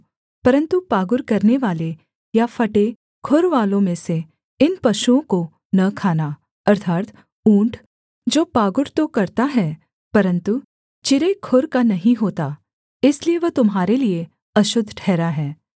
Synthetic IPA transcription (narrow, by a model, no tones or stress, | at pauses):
pɐɾə̃nt̪upaːɡʊɾkɐɾneʋaːle | jafʰɐʈe | kʰʊɾʋaːlõmẽse | ɪnpɐʃuõko | nɐkʰaːna | ɐɾt̪ʰaːt̪ | ũːɳʈʰ | d͡ʒoːpaːɡʊɾt̪okɐɾt̪aɦɛ | pɐɾə̃nt̪u | t͡ʃɪɾekʰʊɾkanɐɦĩɦoːt̪a | ɪslieʋɐt̪ʊmɦaːɾelie | ɐʃʊd̪ʱʈʰɛːɾaɦɛː